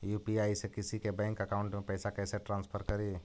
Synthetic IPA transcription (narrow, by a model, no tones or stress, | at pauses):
juːpiaːisekɪsikebɛ̃ːŋkɐkaːʊ̃ɳʈmẽpɛːsakɛːseʈɾãːnspʰəɾkɐɾiː